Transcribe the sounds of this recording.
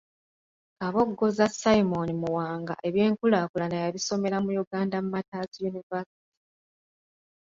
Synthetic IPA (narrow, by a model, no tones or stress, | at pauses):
kaβo̞ɡːo̞zasaimo̞nimuwaːŋɡa̰ʔe̞βje̞ːŋkulaːkulanajaβiso̞me̞ɾamujuɡaːndamumataːsijunivasi̥ti̥